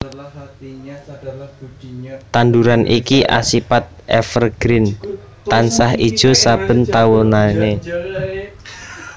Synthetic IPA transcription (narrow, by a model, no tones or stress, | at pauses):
t̪and̪uɾanʔikiʔa̰sipat̪̚ʔɛ̰fərɡ̥ɾɪn | t̪ansaɦid̥ʒ̥ɔ̤sab̥ə̤nt̪awɔnane